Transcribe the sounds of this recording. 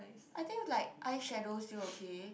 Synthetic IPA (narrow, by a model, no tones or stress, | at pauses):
ʔajt̪ĩŋlaɪk̚ʔajʃɛdostuokʰe